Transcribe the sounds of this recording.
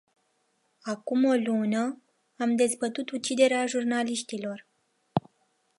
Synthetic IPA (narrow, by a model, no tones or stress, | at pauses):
akumo̞lunə | amd̪e̞zbət̪ut̪ut͡ʃid̪e̞ɾeaʒurnaliʃt̪ilo̞r